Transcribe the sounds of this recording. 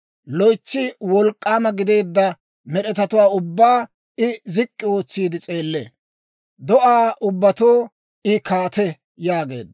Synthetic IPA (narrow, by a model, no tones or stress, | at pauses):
lɔjt͡sːɪwɔlkʼːaːmɐɡɪd̪e̞ːd̪ːɐ | mɛɗɛt̪ɐt̪ʊwaːʊbːaː | ɪzɪkʼːɪo̞ːt͡sːiːd̪ɪt͡sʼe̞ːlːḛː | d̪ɔʔaːʔʊbːɐt̪oː | ɪkaːt̪ɛ | jaːɡe̞̰ːd̪